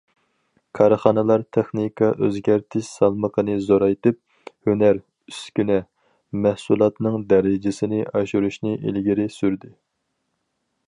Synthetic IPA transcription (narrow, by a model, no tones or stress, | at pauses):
kʰɑɾχɑnɨlˠɑɾt̪ʰɛχnikʰɑʔøzɡʲæɾt̪ʰɪʃsɑlˠməqʰənɨzoɾɑjt̪ɨp̚ | hønæɾ | yskʲynɛ | mɛhsulˠɑt̪nɨŋd̪ɛɾɪd͡ʒɪsɪnɪʔɑʃuɾuʃnɨʔḛlɡʲiɾɪsyɾd̪ɪ